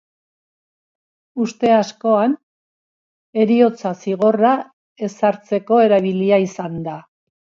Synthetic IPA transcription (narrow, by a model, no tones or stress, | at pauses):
ust̪e̞asko̞an | e̞ɾio̞t͡sasiɣ̞o̞ra | e̞saɾt͡se̞ko̞e̞ɾaβ̞iliaisand̪a